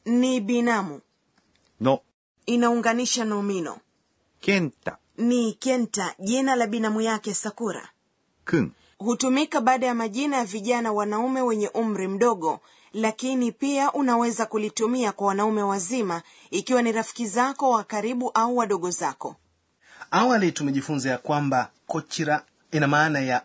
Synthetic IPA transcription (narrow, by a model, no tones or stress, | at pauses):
niɓinamu | nɔ | inauŋɡaniʃanɔminɔ̰ | kɛnta | nikɛntaʄinalaɓinamujakɛsakuɾa̰ | kiŋ | hutumikaɓaːɗajamaʄinajaviʄanawanaumɛwɛɲɛʔum̩ɾim̩ɗɔɠɔ | lakinipiaʔunawɛzakulitumiakwawanaumɛwazima | ikiwaniɾafi̥kizakɔwakaɾiɓuʔauwaɗɔɠɔzakɔ | awalitumɛʄifunzajakwambakɔt͡ʃiɾa | inamaːnaja